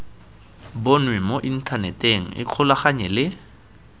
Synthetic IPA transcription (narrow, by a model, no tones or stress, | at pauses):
bonwɛmoʔin̩tʰanɛteŋ̩ɪ̰q͡χʰʊlaχaɲɛlɪ